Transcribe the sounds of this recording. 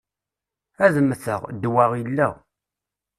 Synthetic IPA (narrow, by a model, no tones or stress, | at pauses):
æðəmːəθəʁd̪waʁilːəʁ